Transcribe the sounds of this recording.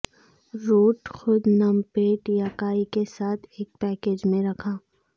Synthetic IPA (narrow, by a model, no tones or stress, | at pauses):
ɾoːʈxʊd̪nɐmpeːʈjaːkaːikesaːt̪ʰeːk̚pɛːkeːd͡ʒmẽɾɐkʰaː